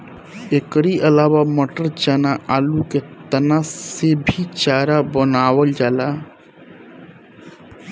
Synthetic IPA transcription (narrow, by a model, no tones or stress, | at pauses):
ekɾiʔəlaːwaməʈəɾt͡ʃanaʔaluket̪ənasebʱit͡ʃaːɾabənaːwəld͡ʒala